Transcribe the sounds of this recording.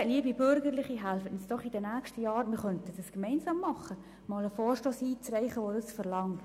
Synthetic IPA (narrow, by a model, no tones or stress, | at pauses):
liəbibʏɾɡəɾlɪχiɦælfətnsd̥ɔχidɛnæːkʃtəjɑːɾmɪɾχœntədəskmɛɪnsɑːmːɑχːə | mɑːləfoːrʃtoːsiːt͡srɛɪχəʋodəsfəɾlɑŋ